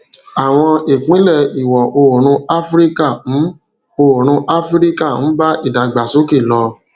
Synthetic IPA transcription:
a˨w̃ɔ̃˧e˨k͡pĩ˨˦lɛ˦˨i˨wɔ˨ʔo˧o˨ɾ̃ũ˧a˦fɾi˦ka˦˨˦ | o˧o˨ɾ̃ũ˧ʔa˦fɾi˦ka˦˨ñ̩˨˦ba˦ʔi˦˨da˨ɡ͡ba˨so˨˦ke˦˨lɔ˧

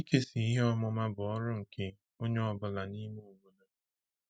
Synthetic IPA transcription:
i˦ke˦si˨i˦ɦe˦ɔ˦mɔ˦ma˦bʊ˨ɔ˦ɾʊ˦ŋ̩˨kʰe˦ | o˦ɲe˦ɔ˨bʊ˨la˨ni˦me˦u˨wu˦no˦

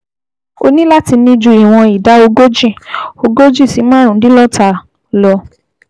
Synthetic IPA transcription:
o̰˧nĩ˦la˦ti˧nĩ˧d͡ʒũ˧i˨w̃ɔ̃˧i˨da˨˦o˧ɡo˦d͡ʒĩ˦˨o˧ɡo˦d͡ʒĩ˦˨si˨˦mã˦ɾũ˨˦dĩ˦lɔ˦ta˧ | lɔ˧

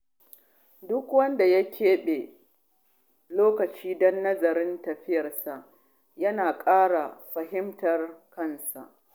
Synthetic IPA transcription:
dʊ˦kwɐ˦nda˨ja˦kʲʰeː˦ɓeː˨ | loː˦kɐ˨t͡ʃiː˦dɔ˦nːɐ˦zɐ˨ɾɪ˦ntɐ˨ɸɪ˦jɐ˨rsa˨ʔ | jɐ˦naː˨kʼaː˦ɽa˨ɸɐ˨ɦɪ˦mtɐ˨rkɐ˦nsa̰˨ʔ

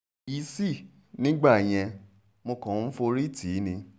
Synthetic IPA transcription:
i˧˦si˦˨ | nĩ˦ɡ͡ba˦˨j̃ɛ̃˧ | mo˧kɔ̃˨˦fo˧ɾi˦ti˨˦nĩ˧

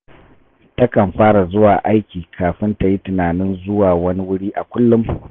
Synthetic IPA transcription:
tɐ˦kɐ˨mɸaː˦ɽa˨zʊ˦waː˨ʔa˦jkʲiː˨kʰaː˨ɸɪ˦nta˨ji˦tɪ˨naː˨nɪ˦nzʊ˦waː˨wɐ˦ni˦wʊ˦ɽiː˦ʔa˨kʷʊ˦lːʊ˦m

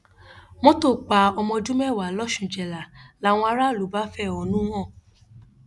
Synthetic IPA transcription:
mõ˦to˦˨k͡pa˨˦ɔ˧mɔ̃˧d͡ʒũ˦mɛ˦˨wa˨˦lɔ˦ʃũ˨d͡ʒɛ˨la˨la˨˦w̃ɔ̃˧a˧˦ɾa˦˨lu˨˦ba˦fɛ˦˨ɔ˨nũ˦w̃ɔ̃˦˨

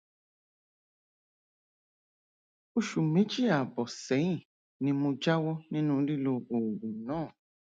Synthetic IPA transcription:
o˦ʃu˨mẽ˨˦d͡ʒi˦a˨bɔ˨sɛ˨˦ĩ˦˨ | nĩ˧mo˧d͡ʒa˦wɔ˦nĩ˦nũ˦ɾi˦lo˧o˨ɡũ˨nãː˦˨

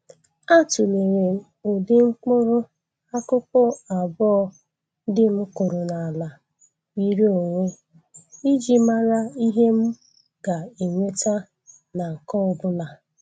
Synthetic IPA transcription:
a˦tʊ˨le˨ɾe˨o˨dɪ˦ŋ͡m̩˦k͡pʊ˦ɾʊ˦ | a˦kʊ˦pʊ˦a˨bɔ˦ | dɪ˦m̩˦ko˨ɾo˨na˨la˨ | wi˦ɾe˦o˨ŋʷe˦ | i˦d͡ʒi˦ma˦ɾa˦i˦ɦe˦m̩˦ | ɡa˨e˨ŋʷe˦ta˦ | na˨kɔ˦ɔ˨˦bʊ˦la˨

